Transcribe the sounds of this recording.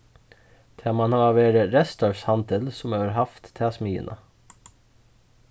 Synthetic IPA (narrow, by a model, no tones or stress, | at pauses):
t̪ʰɛːmɑnhɑːɑːʋeːɾəɾɛst̪ɔɹshɑnd̪əlsʊmøːəɾhɑft̪t̪ʰːɛɑsmiːə̰nʔɑ̰